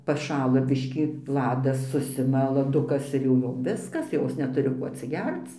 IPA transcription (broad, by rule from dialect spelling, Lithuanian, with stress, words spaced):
pɐˈʃɑːlˠɐ ˈbʲɪʃʲkʲiː ˈlˠɑːdɐs ˈsʊsʲɪmɐ lˠɐˈdʊkɐs ɪr jɛʊ ˈjoːm ˈʋʲɪskɐs ˈjoːs nʲɛˈtʊrʲɪ koː ɐtʲsʲɪˈɡʲɛrt͡s